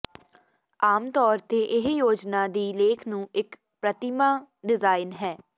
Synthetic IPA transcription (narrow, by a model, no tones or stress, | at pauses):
aːmt̪ɔːɾt̪eːʔɪɦjoːd͡ʒnãːd̪iːleːkʰnũːɪk | pɾət̪ɪmaːɖɪzaːɪnɦɛː